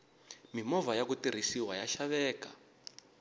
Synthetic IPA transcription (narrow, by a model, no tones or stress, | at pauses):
mimɔvajakutiɾ̤isiwajaʃaβɛːka